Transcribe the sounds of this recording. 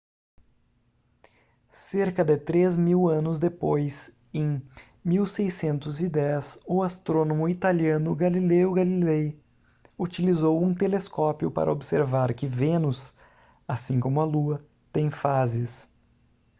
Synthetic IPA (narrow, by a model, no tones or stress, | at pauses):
seɾkɐd̪ɪt̪ɾezmiwɐ̃nʊzd̪epojs | ẽj̃ | miwsejsẽnt̪ʊzid̪ɛsʊast̪ɾonomʊit̪aliɐ̃nʊɡalileʊɡalilej | ut͡ʃilizowũt̪eleskɔpiʊpa̰ɾʔɐ̰obseɾvaɾkɪvẽnʊs | asĩkõmʊɐluɐ | t̪ẽj̃fazɪs